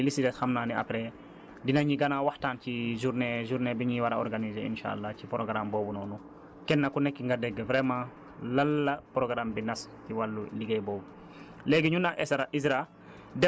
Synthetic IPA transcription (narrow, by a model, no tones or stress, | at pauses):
ilisitɛtxamnaːnia̰pɾɛ | dinaɲiɡɐnawaxtaːnciʒuɾneʒuɾnebiɲiwaɾaɔ̰ɾɡanizeḭnʃa̰a̰lːacipɾoɡɾambɔːbunɔːnu | kɛnːɐkunɛkːiŋɡadɛɡːəvɾɛmãː | lɐlːɐpɾoɡɾambinɐstiwalːṵliɡejbɔːbu | lɛɡiɲunaʔɛsɾaʔisɾa | dɛ